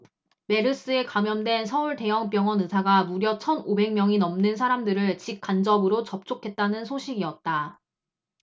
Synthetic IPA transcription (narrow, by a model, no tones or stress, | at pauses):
me̞ɾɯs͈ɯe̞kamjʌndwe̞nsʰʌuɭte̞jʌŋp̬jʌŋʌnɯsʰaɡamuɾjʌt͡ɕʰʌnobe̞ŋmjʌŋinʌmnɯns̬ʰaɾamdɯɾɯɭt͡ɕik̚k͈and͡ʑʌbɯɾot͡ɕʌp̚t͡ɕ͈okʰe̞t̚t͈anɯnsʰoɕʰiɡiʌt̚t͈a